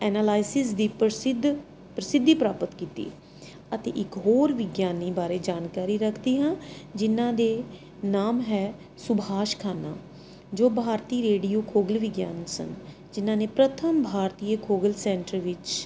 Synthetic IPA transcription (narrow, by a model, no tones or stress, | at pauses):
ɛːnaːlaːɪsɪs̬d̪iːpsɪd̪ | pɾəsɪd̪ʱːiːpɾaːpət̪kiːt̪ḭː | ət̪ḛːʔɪkɦoːɾʋɪɡjaːniːbaːɾeːd͡ʒaːnkaːɾiːɾəkʰd̪iːɦãːd͡ʒɪnãːd̪eː | naːmɦɛː | sʊbʱaːʃkʰaːna̰ː | d͡ʒoːbʱaːɾt̪iːɾeːɖijoːkʰoːɡəlʋɪɡja̰ːnsə̰n | d͡ʒɪnãːneːpɾət̪ʰəmbʱaːɾt̪iːəkʰoːɡəlsɛ̃ːɳʈəɾʋɪt͡ʃ